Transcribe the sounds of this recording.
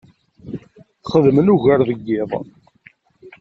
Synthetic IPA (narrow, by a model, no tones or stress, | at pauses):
θχəðmənuʝæɾðəɡːɪðˤ